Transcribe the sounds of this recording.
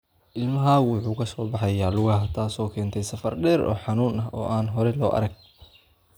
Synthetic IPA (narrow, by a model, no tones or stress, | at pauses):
ʔɪlmɐɦaːɣwʊħuːkʰɐsɔːbɑħɑjaːlʊɣɐɦɐt̪ʰaːsɔːkʰɛːnt̪ʰɛjsɐfɐrɖɛːɾɔ̰ːħɑnuːnɐɦɔːʔaːnɦɔɾɛlɔːʔɐ̰ɾɐɡ̚